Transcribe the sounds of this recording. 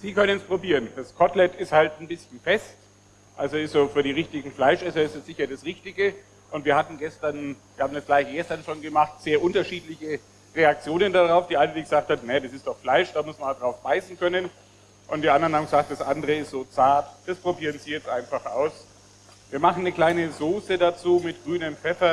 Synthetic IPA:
z̥iːkʰœnənspʁ̥obiːʁənd̥askʰɔtlɛtɪsthaltn̩bɪsçn̩fɛst | ʔalzoɪstz̥oːfyːɐɾiːʁ̞ɪçtɪɡŋ̩flaɪʃʔɛsɐɪstɛsz̥ɪçɐdasʁɪçtɪɡə | ʔʊntv̥iːɐhatn̩ɡɛstɐnv̥iːɐhaːm̩dasɡ̥laɪçɡ̥ɛstɐnʃoːnɡəmaχtz̥eːɐʔʊntɐʃiːtlɪçə | ʁeak̚t͡sjoːnəndaʁaʊfd̥iːʔaɪnədiːɡəzaːk̚thatnajadasɪstd̥ɔχflaɪʃd̥aːmʊsmɐndʁaʊfb̥aɪsn̩kʰœnən | ʔʊntd̥iːʔandɐʁənaŋz̥aːk̚t̚d̥asʔandəʁəɪstz̥oːt͡saɐtd̥aspʁ̥obiːʁənziːjɛt͡stʔaɪnfaχʔaʊs | viːɐmaχn̩nəkl̥aɪnəzoːsədat͡suːmɪt̚ɡ̥ʁyːnəmfɛfɐ

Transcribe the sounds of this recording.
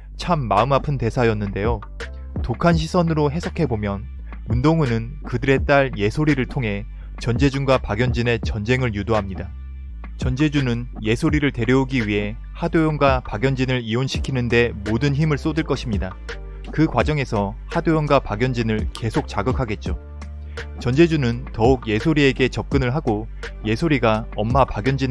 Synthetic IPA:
t͡ɕʰamːaɯmapʰɯnte̞sʰajʌnːɯnde̞jo | tokʰanɕ̬ʰisʰʌnɯɾoɦe̞sʰʌkʰe̞bomjʌn | undoŋɯnɯn | kɯdɯɾe̞t͈aɭje̞sʰoɾiɾɯɭtʰoŋɦe̞ | t͡ɕʌnd͡ʑe̞d͡ʑuŋɡwapaɡjʌnd͡ʑine̞t͡ɕʌnd͡ʑe̞ŋɯɭjudoɦamɲida | t͡ɕʌnd͡ʑe̞d͡ʑunɯn | je̞sʰoɾiɾɯɭte̞ɾjʌuɡiɥiɦe̞ | hadojʌnɡwapaɡjʌnd͡ʑinɯɾionɕʰi̥kʰinɯnde̞modɯnçimɯɭs͈odɯɭk͈ʌɕʰimɲida | kɯkwad͡ʑʌŋe̞sʰʌ | hadojʌnɡwapaɡjʌnd͡ʑinɯɭke̞sʰok̚t͡ɕ͈aɡɯkʰaɡe̞t̚t͡ɕ͈o | t͡ɕʌnd͡ʑe̞d͡ʑunɯntʌuɡje̞sʰoɾie̞ɡe̞t͡ɕʌp̚k͈ɯnɯɭɦaɡo | je̞sʰoɾiɡaʌmːapaɡjʌnd͡ʑin

